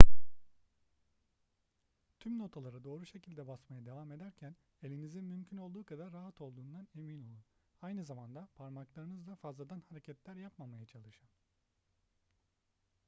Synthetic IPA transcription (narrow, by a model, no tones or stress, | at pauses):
t̪ʰymno̞t̪ʰalˠaɾad̪o̞ːɾuʃe̞cʰilʲd̪ɛbasmajad̪e̞vaːme̞d̪æɾcʰæn | e̞lʲinizinmymcʰyno̞lˠd̪uːkʰad̪aɾːaɦat̪ʰo̞lˠd̪uːnd̪ane̞minolˠunajnɯzamand̪apʰaɾmaklˠaɾɯnɯzd̪afazlˠad̪anhaɾecʰɛt̪lʲæɾjapmamajat͡ʃʰalˠɯʃɯn